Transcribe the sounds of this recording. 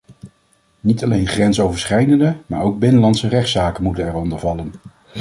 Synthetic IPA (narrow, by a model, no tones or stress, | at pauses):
nitɑlejnχrɛnsowvəɹsχɛjdəndəma̰ːɹowɡ̚bɪnəlɑntsərɛχtsaːkənmutənɛɹɔndəɹvɑlən